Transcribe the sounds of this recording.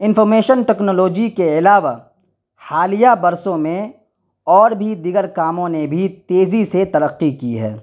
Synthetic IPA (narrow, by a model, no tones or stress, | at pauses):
ɪnfɔɾmeːʃənʈɛːknɔːloːd͡ʒikeɪlaːʋa | haːlijabɐɾsõmẽ | ɔːɾbʱid̪iɡəɾkaːmõnebʱit̪eːziset̪ɐɾəqːikiɦɛ̰ː